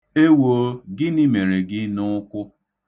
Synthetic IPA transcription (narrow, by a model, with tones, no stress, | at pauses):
e˦wo˨˦ɡɪ˦ni˦me˨ɾe˨ɡɪ˦nʊ˦kʷʊ˦